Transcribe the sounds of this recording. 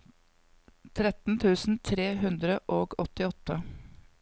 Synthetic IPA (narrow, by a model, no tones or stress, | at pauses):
t̪ʰɾɛt̪n̩t̪ʰʉːsn̩t̪ʰɾeːɦʉnd̪ɾəʔoːɡɔt̪ɪɔt̪ːə